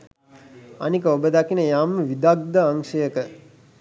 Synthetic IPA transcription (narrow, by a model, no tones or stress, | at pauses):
ɐ̰nikəobəd̪akinəjaːmːəʋid̪aɡ̚d̪əaŋʂəjəkə